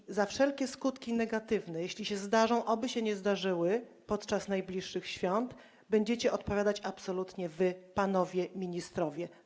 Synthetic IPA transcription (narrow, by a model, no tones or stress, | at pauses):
zafʂɛlkʲɛskut̪kʲinɛɡat̪ɘvnɛjeɕlʲiɕɛzd̪aʐɔ̃w̃ʔɔbɘɕɛɲɛzd̪aʐɘwɘpɔt̪t͡ʂasnajblʲiʂːɘxɕfʲjɔnt̪ | bɛɲd͡ʑɛt͡ɕɛʔɔt̪̚pɔvʲjad̪at͡ɕapsɔlut̪ɲɛvɘpanɔvʲjɛmʲiɲist̪ɾɔvʲjɛ